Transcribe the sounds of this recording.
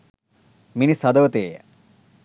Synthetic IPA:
minisɐd̪oʋt̪eːja̰

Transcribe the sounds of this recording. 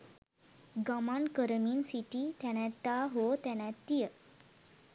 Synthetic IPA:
ɡamaɳkəɾmiːnsiʈit̪aɽ̃ãt̪ːaɦot̪ãñãt̪ːijə

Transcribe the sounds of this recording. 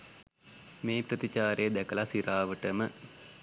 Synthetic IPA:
meːprət̪it͡ʃaːɾejːd̪ækəlasiɾaːʋəʈəmə

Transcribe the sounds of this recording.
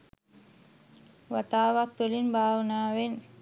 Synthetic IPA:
ʋat̪aːʋat̪ːulinbʱaːʋənaːʋenː

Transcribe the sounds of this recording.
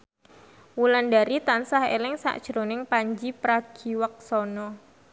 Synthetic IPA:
wulandaɾit̪ansahḛlɪŋsa̰ʔd̥ʒ̥ɾonɪŋpaɲd͡ʒipɾaɡ̥i̤wək̚sɔnɔ

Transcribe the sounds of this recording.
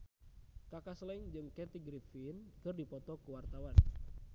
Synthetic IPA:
kakaslɛŋd͡ʒɨŋkɛt̪iɡɾifinkɨrdipɔt̪ɔkuwart̪awan

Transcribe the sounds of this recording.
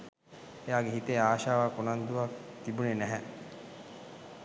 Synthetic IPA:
ejaːɡeɦit̪eaːʃaːʋakunand̪uʋakt̪ibunenæɦɛ

